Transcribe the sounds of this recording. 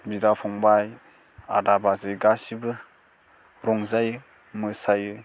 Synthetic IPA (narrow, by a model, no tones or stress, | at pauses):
bidapʰɔŋbaj | a̰dabazɯjɡasibɯ | ɾɔŋzajɯ | mɯsajɯ